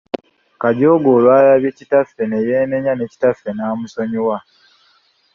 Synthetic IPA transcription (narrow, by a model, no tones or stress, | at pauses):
kaɟo̞ːɡoːlwaːɾaβjecitafenejeːne̞ɲaneci̥tafːenaːmusoɲowa